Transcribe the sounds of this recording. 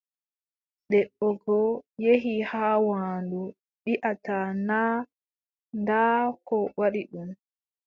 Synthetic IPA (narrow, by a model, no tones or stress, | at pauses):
ɗɛɓːɔɡɔjeɦihaːwaːndu | ɗiʔatanaː | ndaːkɔwaɗiɗum